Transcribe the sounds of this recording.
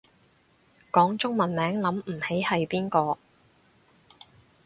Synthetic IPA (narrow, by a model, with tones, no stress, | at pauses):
kɔː˨˥ŋt͡sʊ˥ŋmɐ˨nmɛː˨˥ŋlɐ˨˥m̩˨˩he˨˥jhɐ˨jpiː˥nkɔː˧